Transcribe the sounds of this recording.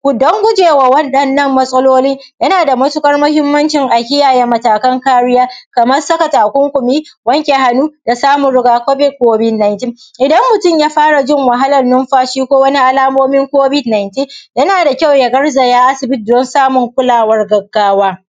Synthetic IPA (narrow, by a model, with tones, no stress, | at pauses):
ɡʷʊ˨dɔ˦ŋɡʷʊ˦d͡ʒeː˨wa˨wɐ˦nɗɐ˨nːɐ˦˨mːɐ˦sʼɐ˦loː˦lɪ˦ŋjɐ˦naː˨da˨mɐ˦tʊ˦kʼɐ˦rmɐ˦ɦɪ˦mːɐ˦nt͡ʃɪ˨ŋʔa˨kʲɪ˦jaː˨jɛ˦mːɐ˨taː˨kɐ˦ŋkaː˦ɽɪ˦jaː˦kɐ˨mɐ˦rsɐ˦ka˨taː˨kʷʊ˦ŋkʷʊ˨miː˦wɐ˦ŋkʲe˨ɦa˦nuː˦d̥a˨saː˦mʊ˨nɽɪ˦ɡaː˨kʷɔ˦bɪ˦koː˦bɪ˦dna˨jntɪ˦ŋʔɪ˨dɐ˦mːʊ˨tʊ˦˨mjaː˦ɸaː˦ɽa˨d͡ʒɪ˦ŋwɐ˨ɦa˦lɐ˨nnʊ˦mɸaː˦ʃiː˦kʷoː˦wɐ˦ni˦ʔa˦laː˦moː˦mɪ˦ŋkʷoː˦bɪ˦dna˨jntɪ˦ŋjɐ˦naː˨da˨kʲa˦˨wjɐ˨ɡɐ˦rzɐ˨jaː˦ʔa˦sɪ˨bɪ˦t̚dɔ˦nsaː˦mʊ˨ŋkʷʊ˦laː˨wɐ˦rɡɐ˨ɡːaː˦waː˦